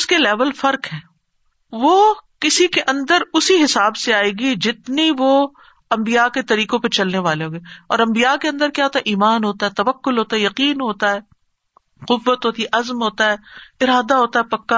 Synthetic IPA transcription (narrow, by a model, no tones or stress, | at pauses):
ʊskelɛːʋəlfɐɾkɦɛ̃ː | ʋoːkɪsikeʔɐ̃nd̪əɾʊsiɦɪsaːbseaːeːɡid͡ʒɪt̪niʋo | ɐ̃mbijaket̪ɐɾiːqõpɐt͡ʃɐlneʋaːleɦoːɡeːɔ̰ːɾɐ̃mbijakeɐ̃nd̪əɾkjaɦoːt̪aɦɛʔiːmaːnɦoːt̪aɦɛːt̪ɐʋəkːʊlɦoːt̪aɦɛjɐqiːnɦoːt̪aɦɛː | qʊbːət̪ɦoːt̪iʔɐzmɦoːt̪aɦɛːɪɾaːd̪aɦoːt̪aɦɛpɐkːa